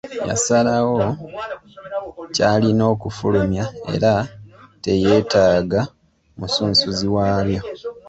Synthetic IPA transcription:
ja̰salawo̞ | caːlino̞ːkufulumjae̞̰ɾate̞je̞ːtaːɡa | musuːnsuziwaːβjo̞

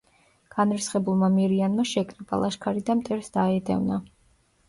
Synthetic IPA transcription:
ɡ̥anɾisχɛbulˠmamiɾianmaʃɛkʰʼɾɛbʼa̰lˠaʃkʰaɾid̪amt̪ʼɛɾsd̪aɛd̪ɛ̰vna

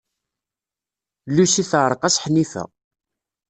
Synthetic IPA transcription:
lːusiθʕɾˤqæsħnifæ̰

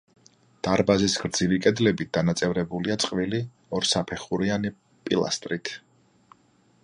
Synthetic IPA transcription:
d̪̥aɾbazisɡ̥ɾd̪zilikʼɛd̪lɛbit̪̚d̪anat̪sʼɛvɾɛbuliat̪sʼqʼvili | ɔɾsapʰɛχuɾiani | pʼḭlˠa̰st̪ʼɾit̪ʰ

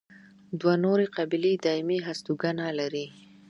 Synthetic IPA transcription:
d̪wanoɾeqabiled̪ɑɪmiɦast̪uɡanalaɾi

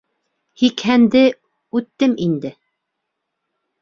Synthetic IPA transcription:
hikhænd̪ɘ | ʉt̪ːɘmind̪ɘ

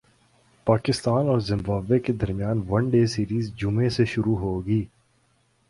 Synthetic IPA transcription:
paːkɪst̪aːnɔːɾzɪ̃mbaːbeked̪ɐɾmijaːnʋɐ̃nɖeːsiːɾiːzd͡ʒʊmẽseʃʊɾuɦoːɡiː

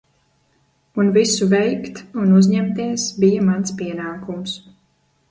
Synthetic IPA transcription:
unvisuvɛjkt̪unuzʲɲɛmt̪iɛsbijamanspiɛnaːkums

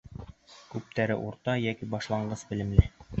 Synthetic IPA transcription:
kʉp̚t̪æɾɘ̰ʔuɾt̪ɑjækibɑʃlˠɑɴɢɤsbɘ̆lɘ̆mlɘ

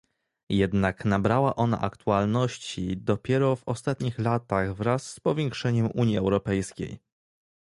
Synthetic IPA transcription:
jɛd̪naknabɾawaʔɔna̰ʔakt̪ualnɔɕt͡ɕid̪ɔpʲjɛɾɔvɔst̪at̪ɲixlat̪aɣvɾasːpɔvʲjɛŋkʂɛɲɛmʔuɲjiɛwɾɔpɛjskʲḛj

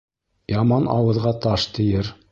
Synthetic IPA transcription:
jɑmɑnɑ̰wɤ̆ðʁɑt̪ɑʃt̪ɘ̆jɘɾ

